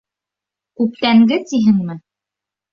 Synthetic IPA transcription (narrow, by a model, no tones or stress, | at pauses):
kʉpt̪æŋɡɘt̪iɦɘŋmɘ